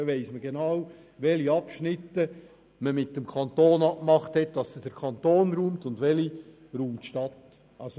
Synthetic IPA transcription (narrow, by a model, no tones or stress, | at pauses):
ʋɛɪsməɡenɑʊw | ʋɛliɑpʃnɪtːə | məmɪt̚dəmkʰɑnt̪oːnɑkmɑχthɛt̚d̥ɑsəd̥əɾkʰɑnt̪oːnɾuːmtʊndʋɛli | ɾuːmtʃtɑt̪ | ɑs